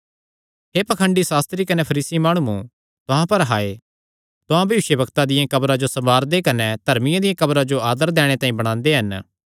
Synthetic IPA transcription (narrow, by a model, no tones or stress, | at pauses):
ɦeːpɐkʰəɳɖisaːst̪ɾikɐnepʰɐɾiːsimaːɽ̃ũũ | t̪ʊɦãpɐɾɦaːe | t̪ʊɦãbɐʋɪʃjəbɐkt̪ad̪ɪjãkɐbɾãd͡ʒosɐmbaːɾd̪ekɐnɛd̪ʱɐɾmɪjãd̪ɪjãkɐbɾãd͡ʒoaːd̪əɾd̪ɛːɽ̃et̪ãːĩbɐɽ̃ãːnd̪eɦɐn